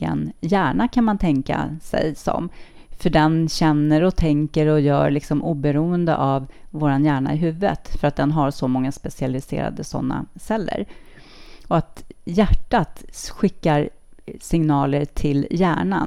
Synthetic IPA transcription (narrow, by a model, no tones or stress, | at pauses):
ə̰njæːɳakʰanmant̪ʰɛŋka̰sɛ̰jsɔ̰m | fœɖɛnɕɛnːəɾɔt̪ʰɛŋkəɾɔjœ̰ːɾɭɪksɔmʔuːbɛɾuːənd̪ə̰ʔavvoːɾanjæːɳa̰ɪɦʉ̟ːvə̰t̪fœɾat̪̚d̪ɛnɦaɾsɔmɔŋːaspɛsɪalɪsḛːɾa̰d̪əsɔ̰nːa̰sɛlːə̰ɾ | ɔat̪jæʈːat̪ɧɪkːaɾ | sɪŋnɑːləɾʈʰɪljæːɳa̰